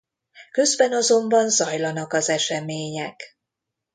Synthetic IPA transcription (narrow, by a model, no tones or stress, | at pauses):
kø̞zbɛnɒzo̞mbɒnzɒjlɒnɒkɒzɛʃɛmeːɲɛk